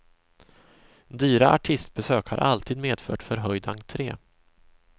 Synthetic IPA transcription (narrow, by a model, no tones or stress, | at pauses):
d̪yːɾaʔaʈʰɪst̪̚bɛsøːkha̰ɾʔa̰lt̪ʰiːd̪meːd̪fœ̰ːʈfœɾɦœjd̪aŋt̪ʰɾeː